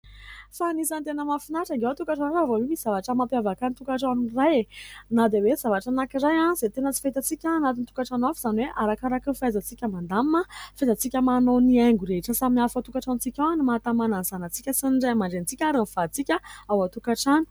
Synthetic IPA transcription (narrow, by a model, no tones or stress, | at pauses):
fanisant̪enəmafinaʈ͡ʂaɡewat̪ukaʈ͡ʂanaavowemisiz̥avaʈ͡ʂəmapjavakanit̪ukaʈ͡ʂanurajenad̪aweiz̥avaʈ͡ʂanakiɾajanz̥et̪enət͡si̥faɦit̪at͡sikʲanat̪int̪ukaʈ͡ʂanafz̥anweʔaɾakaɾakəfajzat͡sikʲəmand̪amːəfezat͡sikʲəmanonieŋɡuɾeɦʈ͡ʂəsamiafat̪ukaʈ͡ʂanut͡sikʲawanimaat̪amananzanat͡sikʲəsiniɳɖ͡ʐajmaɳɖ͡ʐent͡sikʲaɾanfat͡sikʲəawat̪ukaʈ͡ʂanu̥